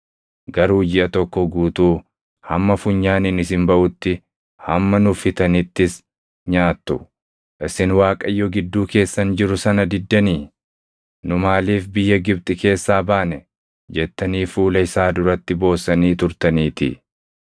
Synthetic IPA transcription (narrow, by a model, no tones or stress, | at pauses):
ɡɐɾuːd͡ʒɪʔɐt̪ɔkːɔɡuːt̪uː | hɐmːɐfʊɲːaːnɪnɪs̬ɪmbɐʔʊt̪ːɪ | hɐmːɐnʊfɪt̪ɐnɪt̪ːɪs | ɲaːt̪ːʊ | ʔɪsɪnwaːkʼɐjːɔɡɪd̪ːuːke̞ːsːɐnd͡ʒɪɾʊsɐnɐd̪ɪd̪ːɐniː | nʊmaːliːfbɪjːɐɡɪbt̪ʼɪke̞ːsːaːbaːnɛ | d͡ʒɛt̪ːɐniːfuːlɐɪsaːd̪ʊɾɐt̪ːɪbo̞ːsɐniːt̪ʊɾt̪ɐniːt̪ɪ̰